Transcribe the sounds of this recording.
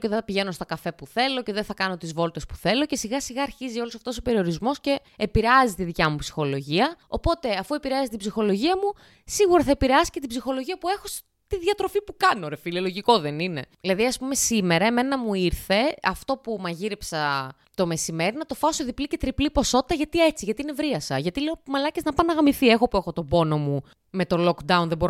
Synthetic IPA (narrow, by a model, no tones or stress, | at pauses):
ceðeɐpiʝe̞no̞st̪o̞kɐfe̞puθe̞lo̞ce̞ðenθɐkɐno̞t̪izvo̞lt̪e̞spu̥θe̞lo̞ce̞siɣɐsiɣɐːɾçizio̞losɐft̪o̞sope̞ɾio̞ɾizmo̞sce̞ːpiɾeɐzit̪iðicɐmupsi̥xo̞lo̞ʝiɐo̞po̞t̪e̞ɐfue̞piɾeɐzit̪ibzixo̞lo̞ʝiɐmu | siɣuɾɐθɐepiɾeɐsi̥ce̞t̪ibzixo̞lo̞ʝiɐpue̞xo̞s | t̪iðʝɐt̪ɾofipukɐnoɾefilioloʝiko̞ðe̞nine̞̰ilɐðiɐspume̞sime̞ɾɐeme̞nɐmuiɾθe̞ɐft̪o̞pumɐʝiɾipsɐ | t̪o̞me̞sime̞ɾinɐt̪o̞fɐsoðiplice̞t̪ɾiplipo̞so̞t̪i̥t̪ɐʝɐt̪ie̞t͡siʝɐt̪iine̞vɾiɐsɐʝɐt̪ileomɐlɐceznɐpɐnɐɣɐmiθie̞xopue̞xo̞t̪o̞bo̞no̞mu | me̞t̪o̞lokd̪ɐunðebo̞ɾ